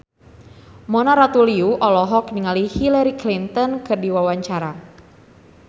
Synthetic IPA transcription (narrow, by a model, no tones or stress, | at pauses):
mɔnaɾat̪uliuʔɔlɔɦɔkniŋalihilaɾiklint̪ɔnkɨrdiwawaɲt͡ʃaɾa